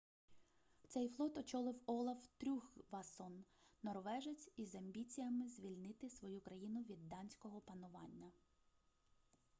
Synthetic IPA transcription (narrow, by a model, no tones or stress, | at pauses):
t̪sɛjflˠɔt̪ɔt͡ʃɔlˠɪwɔlˠɐwt̪ɾʲuxʋɐsɔnːɔrʋɛʒet͡sʲizɐmʲbʲit͡sʲijɐmɪzʲʋʲilʲnɪt̪ɪsʋɔjukɾɐjinʊʋʲid̪ːɑnʲsʲkɔɦɔpɐnʊʋɑ̰nʲːɐ